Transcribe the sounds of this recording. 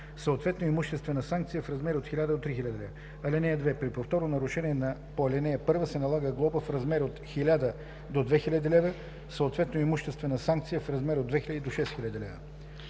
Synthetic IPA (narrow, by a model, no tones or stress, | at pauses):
səot̪vɛt̪noimuʃt̪ɛst̪vɛnəsaŋk̚t̪sijəfɾɐzmɛɾot̪xilʲad̪əd̪ot̪ɾixilʲad̪əlɛv | ɐlʲɛnɛjəd̪vɛpɾipoft̪ɔɾnonɐɾʊʃɛniɛnɐpoɐlʲɛnɛəpɤɾvəsɛnɐlˠaɡəɡlˠɔpəfɾɐzmɛɾot̪xilʲad̪ə | d̪od̪vɛxilʲəd̪ilɛvə | səot̪vɛt̪noimuʃt̪ɛst̪vɛnəsaŋk̚t̪sijəfɾɐzmɛɾod̪d̪vɛxilʲɐəd̪id̪oʃɛsxilʲad̪ilɛvə̰